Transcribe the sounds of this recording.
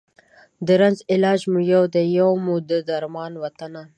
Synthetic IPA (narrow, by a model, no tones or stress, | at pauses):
d̪əɾanzɪlɑd͡ʒmujawd̪əjawmud̪əd̪aɾmɑnwat̪ana